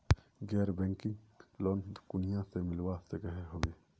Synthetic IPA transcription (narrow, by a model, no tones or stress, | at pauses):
ɡɛːɾbɛ̃ːŋkɪ̃ŋ | lɔːnd̪kʊnijãsemɪlwasekəɦeɦoːɡeː